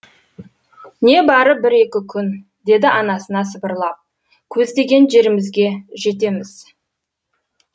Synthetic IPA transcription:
ne̞bɑɾəbɪɾe̞kʲɪkʲʰʏn | d̪e̞d̪ɪʔɑnɑsənɑsəbəɾlˠɑq̚ | kʲʰɵzd̪e̞ɡʲe̞nʒe̞ɾɪmɪzɡʲe̞ʒe̞t̪̬e̞mɪz̥

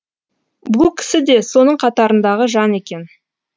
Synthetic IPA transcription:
bulˠkʲʰɪ̥sɪd̪e̞so̞nəɴqʰɑt̪ɑɾənd̪ɑʁəʒɑne̞kʲe̞n

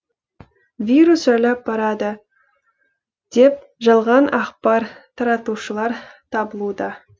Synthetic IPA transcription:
vʲiɾusʒælɑp̚bɑɾɑd̪ə | d̪̥e̞p̚ | ʒɑlˠʁɑnʔɑqpɑɾt̪ʰɑɾɑt̪uʃəlˠɑɾt̪ʰɑbəlˠud̪ɑ

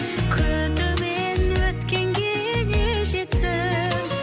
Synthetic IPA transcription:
kʲʰɵd̪ʊme | nwɵt̪kʲeŋɡʲe | neʒet̪sɪ

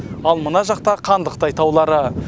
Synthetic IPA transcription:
ɑlˠmənɑʒɑq̚t̪ɑqʰɑnd̪əq̚t̪ɑɑjt̪ɑwlˠɑɾə

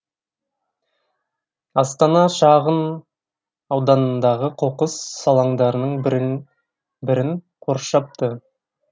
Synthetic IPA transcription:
ɑst̪ɑnɑʃɑʁən | ɑwd̪ɑnənd̪ɑʁəqʰoqəsːɑlˠɑɴd̪ɑɾənəɴ | bɪɾɪŋ | qʰoɾʃɑp̚t̪ə

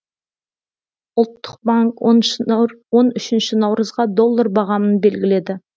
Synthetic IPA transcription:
ʊlˠt̪ːə̥q̚baŋk | wo̞nʏʃɪnʃɪnɑwɾəzʁɑd̪o̞lˠːaɾbɑʁɑmənbe̞lɡʲɪle̞d̪ɪ

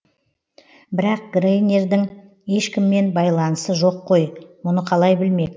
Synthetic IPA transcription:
bɪɾɑq̚ɡrejne̞ɾd̪ɪŋ | je̞ʃkʲɪmːe̞nbɑjlˠɑnəsəʒo̞qʰːo̞jmʊnəqʰɑlˠɑjbɪlme̞k̪

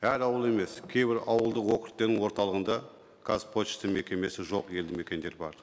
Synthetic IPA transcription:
æɾɑwəlˠe̞me̞skʲʰe̞jbɪɾɑwəlˠd̪əqwokʲɪɾɪt̪ːeɾnɪŋwo̞ɾt̪ɑlˠəʁənd̪ɑ | kʰaspʰoɪ̥st̪ɪŋme̞kʲe̞me̞sɪʒoqje̞ld̪ɪme̞kʲe̞nd̪e̞ɾbɑ̰ɾ

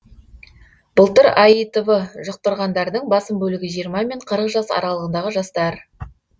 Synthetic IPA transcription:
b̥ʊlˠt̪əɾɑjət̪ovəʒʊq̚t̪əɾʁɑnd̪ɑɾd̪əɴbɑsəmbɵlɪɡʲɪʒijəɾmɑme̞ɴqʰəɾəqʒɑsɑ̰ɾɑlˠəʁənd̪ɑʁəʒɑst̪ɑɾ

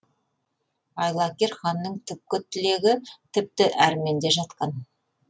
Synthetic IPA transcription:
ɑjlˠɑkʲeɾχɑnːəɴt̪ʰʏp̚kʲɪt̪ʰɪle̞ɡʲɪt̪ʰɪp̚t̪ɪʔæɾme̞nd̪eʒɑt̪qɑn

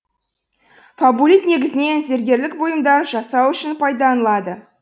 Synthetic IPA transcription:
fabulit̪ne̞ɡʲɪzɪne̞nze̞ɾɡʲe̞ɾlɪkbo̞jəmd̪ɑɾʒɑsɑwʏʃɪnpʰɑjd̪ɑnəlˠɑd̪ə

